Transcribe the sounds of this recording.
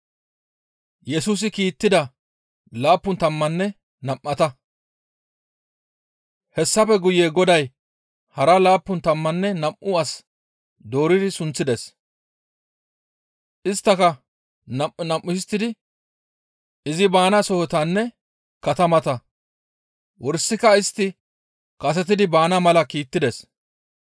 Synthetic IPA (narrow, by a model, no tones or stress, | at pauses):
jɛsuːs̬ɪkiːt̪ːɪd̪ɐ | laːpːʊnt̪ɐmːɐnːɛ | nɐmʔːɐt̪ɐ | hɛsːɐpɛɡʊjeːɡɔd̪ɐj | hɐɾɐlaːpːʊnt̪ɐmːɐnːɛnɐmʔʊɐs | d̪o̞ːɾɪd̪ɪsʊnt͡sːɪd̪ɛs | ʔɪst̪ːɐkɐ | nɐnɐmʔːʊɪst̪ːɪd̪ɪ | ɪzɪbaːnɐsɔhɔt̪ɐnːɛ | kɐt̪ɐmɐt̪ɐ | wɔɾsːɪkɐɪst̪ːɪ | kɐs̬ɛt̪̬ɪd̪ɪbaːnɐmɐlɐkiːt̪ːɪd̪ɛs